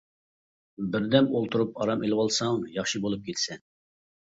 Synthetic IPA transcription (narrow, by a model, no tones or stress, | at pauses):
bɪɾd̪ɛmolˠt̪ʰuɾupɑɾɑmelɪwɑlˠsɑŋjɑχʃibolˠup̚kʲʰelsɛn